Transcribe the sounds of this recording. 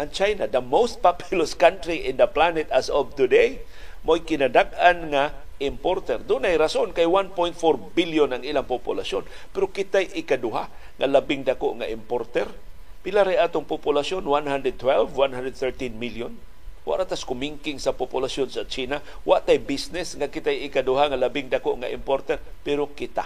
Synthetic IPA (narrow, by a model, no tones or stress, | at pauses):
ʔant͡ʃajnad̪ɐmowst̪̚papɪlʊskant̪ɾiʔɪ̃nd̪əplanɛt̪asɔvt̪ʊdej | mojkɪnadaɡanŋaʔɪmpoɾt̪ɛɾd̪ʊnajɾasʊnkajwanpojnt̪foɾbɪljʊnaŋilaŋpʊpʊ̰lason | pɛɾʊkɪt̪ajʔɪkad̪ʊɦa | ŋa̰labɪŋd̪akoʔŋaʔɪmpoɾt̪ɛɾ | pɪlaɾajaːt̪ʊŋpʊpʊlasjonwanɦand̪ɾɛd̪̚t̪wɛlvwanhand̪ɾɛd̪̚θɛɹt̪inmiljʊn | wa̰ʔɾat̪askʊmiŋkɪŋsapʊpʊlasjʊnsat͡ʃina | waʔt̪ajbisnɪsŋakɪt̪ajɪkadʊɦaŋalabɪŋdakoʔŋaʔɪ̰mpoɾt̪ɛɾpɛɾʊkɪt̪a̰